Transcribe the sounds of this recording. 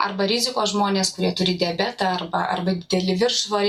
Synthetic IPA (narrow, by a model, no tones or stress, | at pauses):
ɐ̰rbɐɾʲɪzʲɪkoːsʒmoːnʲeːskʊɾʲiɛt̪ʊɾʲɪd̪ʲɛbʲɛt̪ɐɐɾbɐʔɐ̰rbɐd̪ʲɪd̪ʲɛlʲɪʋʲɪɾʃʋɐ